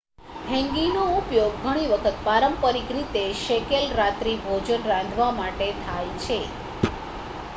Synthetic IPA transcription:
ɦɛ̃ŋɡinoupjoɡ̚ɡʱəɽ̃iʋəkʰət̪paɾəmpəɾikɾit̪eʃekelɾat̪ɾibʱod͡ʒənɾãnd̪ʱʋamaʈet̪ʰajt͡ʃʰe

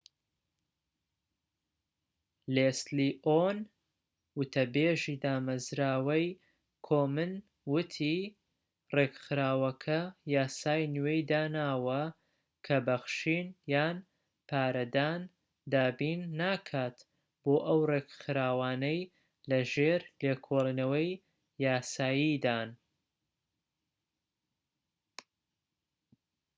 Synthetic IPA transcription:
leːsliʔon | wʊt̪ʰɐbeːʒiːd̪aːmɐzɾaːwɐj | kʰoːmɨn | wʊt̪ʰi | reːkxɨɾaːwɐkʰɐjaːsaːjnwejd̪aːnaːwɐ | kʰɐbɐxʃiːnjaːn | pʰaːɾɐd̪aːn | d̪aːbiːnːaːkʰaːt̪ | b̥oːʔɐwreːkxɨɾaːwaːnɐj | lɐʒeːɾlekʰoːlˠinɐwɐj | jaːsaːjiːd̪aːn

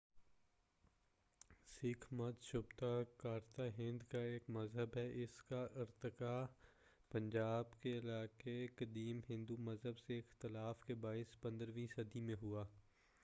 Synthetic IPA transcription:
sɪkʰmɐt̪ʃʊbt̪akaːɾt̪aɦɪ̃nd̪kaeːkmɐzɦəbɦɛʔɪskaʔɪɾt̪ɪka | pɐ̃ɲd͡ʒaːbkeɪlaːkekɐd̪iːmɦɪ̃nd̪umɐzɦəbseɪxt̪ɪlaːfkebaːɪspɐ̃nd̪əɾʋĩːsɐd̪imẽɦuaː

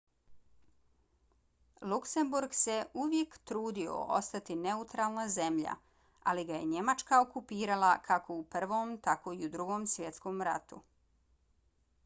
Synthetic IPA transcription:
lukse̞mbuɾɡse̞uʋje̞kt̪ɾuːd̪io̞̰o̰st̪at̪ine̞ut̪ɾalˠnaze̞mʎa̰ | aliɡaje̞ɲe̞mat͡ʃkaokupiːɾalakʰakʰo̞upr̩ʋomt̪ako̞iud̪ɾuɡo̞msʋje̞t̪skomɾa̰t̪ṵ

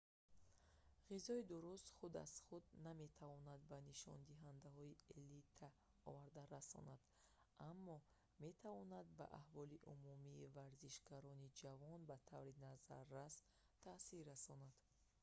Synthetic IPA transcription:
ʁizɔid̪uɾust̪χud̪a̰z̥χud̪name̞t̪ʰavɔnad̪̚baniʃɔ̰nd̪iɦand̪aɦɔielit̪ʰa | ɔ̰vaɾd̪aɾasɔ̰nad̪̥ | ʔamːɔ | me̞t̪ʰavɔnad̪̚ba̰ʔa̰hvɔliʔumumiːvaɾziʃɡaɾɔnid͡ʒavɔnbat̪ʰavɾinazaɾːas | t̪ʰːasiɾːasɔnad̪̥

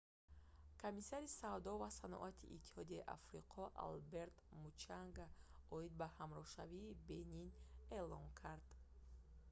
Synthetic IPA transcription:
kʰomisaɾisavd̪ɔvasanɔ̰ʔat̪ʰḭʔḭt̪ʰːi̥hɔd̪iaiʔa̰fɾiqʰɔʔa̰lbe̞ɾt̪mut͡ʃʰaŋɡaɔid̪̚bahamɾɔhʃaviːbe̞nine̞lɔŋkʰaɾd̪̥

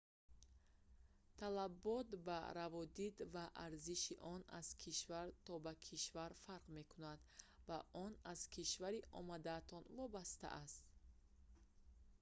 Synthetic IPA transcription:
t̪ʰalabɔt̪ba̰ɾavɔd̪id̪vaʔaɾziʃiʔɔna̰z̥kʰiʃvaɾt̪ʰɔbakʰiʃvaɾfaɾqme̞kunad̪vaʔɔnaz̥kʰiʃvaɾiʔɔ̰mad̪aːt̪ʰɔnvɔbast̪a̰ʔast̪

